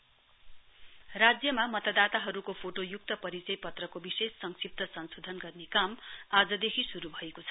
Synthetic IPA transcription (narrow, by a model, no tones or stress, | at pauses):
rad͡zjʌmamʌt̪ʌd̪at̪aɦʌɾukopʰoʈojuk̚t̪ʌpʌɾit͡sʌjpʌt̪rʌkobisesːʌŋsip̚t̪ʌsʌnsod̪ʱʌnɡʌrnekamad͡zʌd̪ekʰisuɾubʱʌekot͡sʰʌ̥